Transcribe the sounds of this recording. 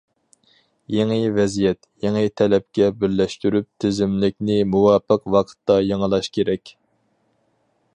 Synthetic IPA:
jeŋɨvɛzijɛt̪jeŋɨt̪ʰɛlɛp̚kʲɛbɪɾlɛʃt̪yɾyp̚t̪ʰɪzɪmlɪk̚ʲnɪmuwɑːpəqwɑqʰə̥t̪ːɑjɑŋəlˠɑʃkʲeɾɛkʲ

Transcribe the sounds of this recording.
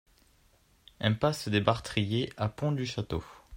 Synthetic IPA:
ɛ̃pasd̪ebaʁt̪χijeʔapɔ̃d̪yʃat̪o̰

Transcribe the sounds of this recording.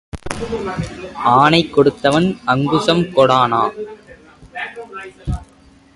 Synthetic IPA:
ʔaːnɐɪkːɔɽɯt̪ːɐʋɐnɐŋɡɯsɐmkɔɽaːnaː

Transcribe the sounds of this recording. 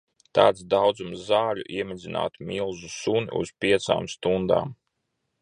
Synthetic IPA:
t̪aːt̪sd̪awd̪zumzzaːʎʲṵʔiɛmʲid̪zina̰ːt̪milˠzusuniṵz̥pʲiɛt̪sa̰ːmst̪und̪a̰ːm

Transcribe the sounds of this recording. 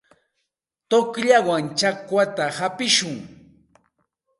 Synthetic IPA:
t̪okʎawaŋt͡ʃakwat̪ahapɪʃʊŋ

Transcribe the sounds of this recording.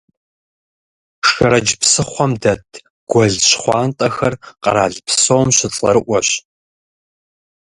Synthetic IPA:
ʂɐɾɐd͡ʒpsɨχʷɔmdɐtʰ | ɡ̥ʷɔɮɕχʷɑːntʼɐxɐrqɐ̰ɾaːɮpʰsowmɕɪɬʼɐ̰ɾɨʔʷɔɕ

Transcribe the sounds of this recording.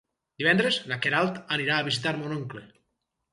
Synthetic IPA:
d̪iβɛnd̪ɾeznakeɾalˠt̪aniɾaːβizit̪aɾmonoŋkle

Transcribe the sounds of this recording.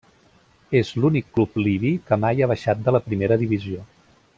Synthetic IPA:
ezlunikːlupliβikəmajaβ̞əʃat̪̚d̪ələpɾimeɾəðiβizio

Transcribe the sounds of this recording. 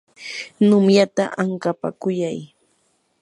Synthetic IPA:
nʊmjat̪aʔaŋkapa̰kʊjaj

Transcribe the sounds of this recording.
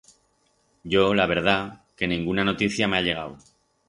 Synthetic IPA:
ɟ͡ʝo̞laβ̞e̞ɾð̞ake̞nĩŋɡunano̞t̪iθjame̞aʎe̞ɣ̞aw

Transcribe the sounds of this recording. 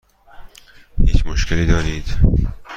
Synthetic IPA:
hiːt͡ʃmoʃkeliːd̪ɒːɾiːd̪̥

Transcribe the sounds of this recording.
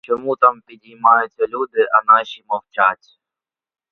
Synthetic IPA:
t͡ʃɔmut̪ampʲid̪ʲimajʊt͡sʲːɐlʲud̪ɪʔɐnaʃimɔwt͡ʃat͡sʲ

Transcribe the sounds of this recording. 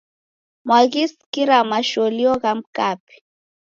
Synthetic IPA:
mwaɣiskiɾamaʃɔliɔɣam̩kapi̥

